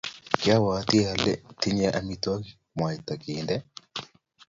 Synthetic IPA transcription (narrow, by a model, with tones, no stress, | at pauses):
kɪ˦a˦wa˨˦t̪ɪ˦a˨lɛ̰˦tɪ˦ɲɛ˦ʔa˨mi˦tɔ˦k | mwa˨ɛ˨t̪a˨kɪ˨ndɛ˦